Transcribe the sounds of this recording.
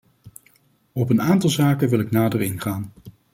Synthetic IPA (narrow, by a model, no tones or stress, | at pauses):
ɔpənaːntɑlˠzaːkənʋɪlˠɪknaːdərɪnχaːn